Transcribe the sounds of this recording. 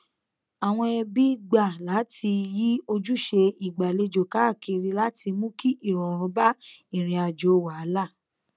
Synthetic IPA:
a˨w̃ɔ̃˧ɛ˧bi˦ɡ͡ba˦˨la˨˦tʰi˧ji˦o˧d͡ʒu˦ʃe˧i˨ɡ͡ba˨le˧d͡ʒo˨ka˨˦˨ki˧ɾi˧la˦tʰi˧mũ˦ki˦ʔi˦˨ɾɔ˨ɾ̃ũ˨˦ba˦i˦˨ɾ̃ĩ˧a˧d͡ʒo˨˦wa˨˦la˦˨

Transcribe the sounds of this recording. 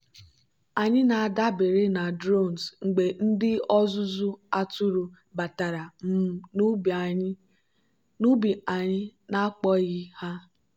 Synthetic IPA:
a˨ɲɪ˦na˨a˨da˦bɪ˨ɾɪ˦na˨dɾo˦˨n˨zŋ͡m̩˨ɡ͡be˨n̩˦dɪ˦ɔ˦zʊ˦zʊ˦a˦tʊ˦ɾu˨ | ba˨ta˨ɾa˨m˦˨˦ | nu˦bi˨a˨ɪ˦na˦a˦k͡pɔ˦ɣɪ˦ha˦

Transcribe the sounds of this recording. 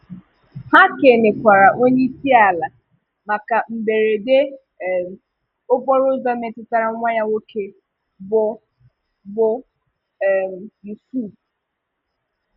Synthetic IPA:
ha˦ke˨ne˨kʷa˨ɾa˨ʔo˦ɲe˦i˦si˦a˨la˨ | ma˨ka˨m̩˨be˨ɾe˨de˦˨ | m˨ | o˦bɔ˦ɾʊ˦zɔ˦me˨tɪ˦ta˦ɾa˦ŋʷa˦ɲa˦wo˦ke˦ | bʊ˦ | bʊ˦˨ | m˨i˨su˦˨

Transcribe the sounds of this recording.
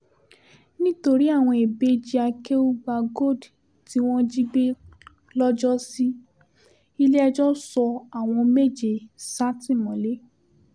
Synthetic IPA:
nĩ˦to˧ɾi˦a˦˨w̃ɔ̃˧e˨be˦d͡ʒi˦a˧ke˦u˦ɡ͡ba˧ɡo˦˨d | ti˦w̃ɔ̃˦d͡ʒi˦be˦ | lɔ˦d͡ʒɔ˦si˦ | i˦le˦ɛ˧d͡ʒɔ˦sɔ˧a˨w̃ɔ̃˧me˦˨d͡ʒe˨sa˦tĩ˦˨mɔ̃˨˦le˦

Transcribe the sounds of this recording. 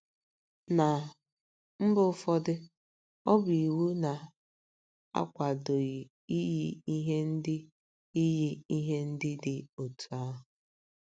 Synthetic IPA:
na˨ | m̩˦bʊ˦ʊ˦fɔ˦dɪ˦ | ɔ˦bi˨wu˦na˨ | a̰˦kʷa˨do˨ɣi˨ | i˦ji˦i˦ɦe˦n̩˦dɪ˦ | i˦ji˦i˦ɦe˦n̩˦dɪ˦dɪ˨o˨tu˨a˦ɦʊ˨

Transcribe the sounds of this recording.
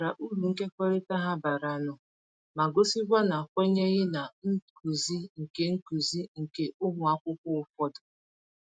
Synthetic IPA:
ɾa˨ʔu˦ɾu˨ŋ̩˦ke˦kʷɔ˦ɾe˦ta˦ɦa˦ba˨ɾa˨nʊ˨ | ma˨ɡo˦si˦ɡʷa˦na˨kʷe˦ɲe˦ɣɪ˦na˨n̩˦ku˨zi˦ŋ̩˨ke˦ŋ̩˦ku˨zi˦ŋ̩˨ke˦ʔʊ˦ŋʊ˨a˦kʷʊ˦kʷʊ˦ʊ˨fɔ˦dʊ˨

